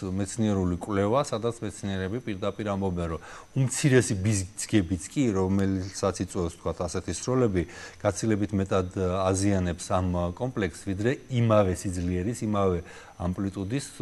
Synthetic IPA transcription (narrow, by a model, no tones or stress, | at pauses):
mɛt̪sʰniɛɾulikʼwlɛvasad̪at̪sʰmɛt̪sʰniɛɾɛbipʼiɾd̪apʼiɾambɔbɛnɾɔumt̪sʰiɾɛsibizɡɛbit̪sʰkʼiɾɔmɛlsat̪sʰit̪sʼwɛfst̪ʰkʰwat̪ʰasɛt̪ʰisɾɔlɛbiɡ̥at̪sʰilɛbit̪ʰmɛt̪ʼad̪azianɛpsamkʼɔmpʼlɛksvid̪ɾɛimavɛsid̪zliɛɾisimavɛ | ampʼlit̪ʼud̪is